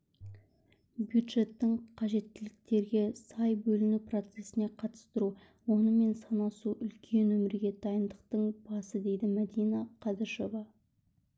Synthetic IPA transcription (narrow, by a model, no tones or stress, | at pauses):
bjud̪ʒe̞t̪ːɪɴqʰɑʒe̞t̪ːɪlɪk̚t̪e̞ɾɡʲe̞sɑjbɵlɪnupro̞t̪se̞sɪne̞qʰɑt̪ə̥st̪əɾu | wo̞nəme̞nsɑnɑsuʔʏlkʲʰe̞nwɵmɪɾɡʲe̞d̪ʰɑjənd̪əqt̪əɴb̥ɑsəd̪e̞jd̪ɪmæd̪ijnɑqʰɑd̪əʃo̞vɑ